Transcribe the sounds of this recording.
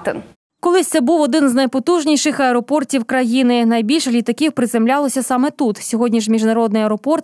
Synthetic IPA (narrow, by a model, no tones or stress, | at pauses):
t̪ɪ̰n | kɔlˠɪsʲt̪sɛbuwɔd̪ɪnznɐjpɔt̪uʒnʲiʃɪxɐɛɾɔpɔrtʲiwkɾɐjinɪnɐjbʲilʲʃɐlʲit̪ɐkʲiwpɾɪzemlʲɑlˠɔsʲɐsɑmɛt̪ut̪sʲɔɦɔdʲnʲiʃmʲiʒnɐɾɔd̪nɪjɐɛɾɔpɔrt̪